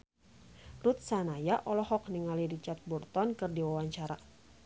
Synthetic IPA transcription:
rut̪̚sanajaʔɔlɔhɔk̚niŋaliɾit͡ʃart̪̚burt̪ɔnkɨrdiwawaɲt͡ʃaɾa

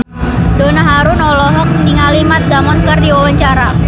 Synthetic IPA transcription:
donaɦaɾʊnɔlɔɦɔk̚niŋalimat̪̚d̪amɔnkərdiwawaɲt͡ʃaɾa

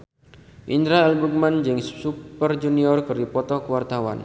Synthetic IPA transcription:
ʔind̪ɾaɛlbuk̚mand͡ʒɨŋssupərd͡ʒuniɔrkɨrdipɔt̪ɔkəwart̪awa̰n

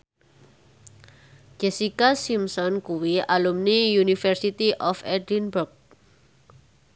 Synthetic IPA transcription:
d͡ʒɛsikasimsɔnkuwiʔalumnijunifɛrsit̪iʔɔfɛdinbʊrk̚

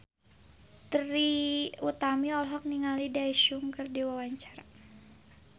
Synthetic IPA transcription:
t̪riut̪amiɔlɦɔk̚niŋalidaiʃuŋkɨrdiwawaɲt͡ʃaɾa

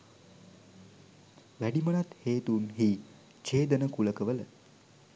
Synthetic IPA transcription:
ʋæɖimənat̪heːt̪unɦi | t͡ʃeːd̪ənəkuləkəʋələ

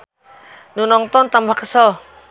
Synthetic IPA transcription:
nunɔŋt̪ɔnt̪ambahkəsɔ

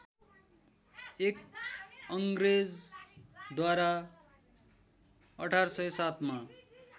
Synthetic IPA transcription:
ek | ʌŋɡɾed͡z | d̪waɾa | ʌʈʰarsʌjsat̪ʰma

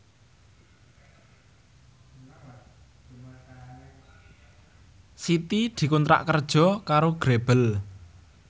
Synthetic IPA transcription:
sit̪id̪̥i̤kunt̪ɾa̰ʔkərd̥ʒ̥ɔ̤kaɾoɡ̥ɾeb̥əl

